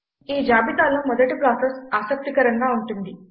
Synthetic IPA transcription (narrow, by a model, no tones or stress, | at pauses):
iːd͡ʒaːbit̪aːlɐmɔd̪ɐʈipɾaːsesaːsɐk̚t̪ikɐɾɐŋɡaːuɳʈund̪i